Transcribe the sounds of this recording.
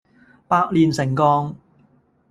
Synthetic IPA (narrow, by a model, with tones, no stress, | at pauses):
paː˧k̚liː˨nsɪ˨˩ŋkɔː˧ŋ